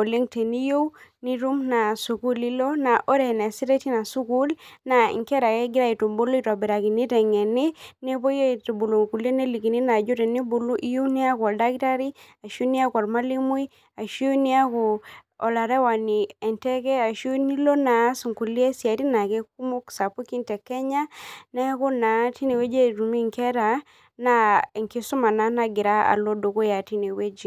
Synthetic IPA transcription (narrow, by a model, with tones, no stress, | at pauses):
o˨le˦ŋte˨ni˦jo˦wni˦ɾu˦mna˨su˨ku˦li˦lo˦na˨ʔo˦ɾe˨nɛ˨si˦ɾe˦ti˦na˨su˦ku˦lna˨ḭ˨ŋkɛ˦ɾa˨ke˦ɡi˦ɾa˦i˨tu˨mbo˦lo˦i˦ta˨bi˨ɾa˨ki˨ni˦tɛ˨ŋe˨ne˦ne˦bo˦je˦te˨bu˨lo˨ŋku˨le˦ne˦li˨ki˨ni˦na˨d͡ʒo˦te˨ni˦bu˨lu˦ʔi˦jo˦wni˦a˦ka˨da˦ɡi˦ta˦ɾi˦a˨ʃu˦ni˦a˦kwa˨ɾma˦li˦mu˦i | a˨ʃi˦o˦ni˦a˦ko˨ɔ̰˨la˨ɾɛ˦wa˨ni˨ɛ˨ntɛ˦kɛ˦a˨ʃo˦ni˦lo˦na˨˦su˨ŋku˨li˦e˦si˨a˨ti˦na˨kɛ˦k̚u˦mo˦ksa˨pu˦ki˦ntɛ˨kɛ˦ɲa˦nɛ˦ko˦na˨˦ti˦ne˨we˦d͡ʒe˦ɾu˨mi˦ŋkɛ˦ɾa˨ | na˦˨ŋki˦su˦ma˨na˦na˦ɡɪ˨ɾa˦a̰˨lo˦do˨ko˦ja˨ti˦ne˨we˦d͡ʒi˨